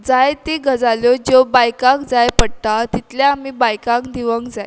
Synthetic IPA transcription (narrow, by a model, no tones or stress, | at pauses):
d͡zajt̪eɡʱəd͡zaljod͡ʑobajkãkd͡zajpəɽt̪at̪it̪laːmiːbajkãkd̪iʋəŋkd͡zaj